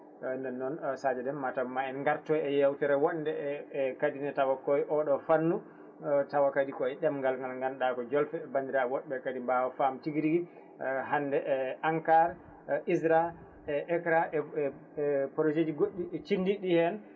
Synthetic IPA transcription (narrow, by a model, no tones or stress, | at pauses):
ndɛnːɔnsad͡ʒɛdɛnmatamaɛnŋɡaɾtɔjɛjawtɛɾɛwɔɗndɛkadinɛtawakɔjʔɔɗɔfanːu | tawakadikɔɛɗɛmŋɡalŋɡalŋɡanɗakɔd͡ʒɔlfɛbandiɾawɔɗbɛkadimbawɔfamtiɡɾiɡi | ɦanːdɛʔʔaŋkaɾ | izɾa | ɛʔɛkɾaɛ | pɾod͡ʒed͡ʒiɡoɗːit͡ʃinːdiɗihɛn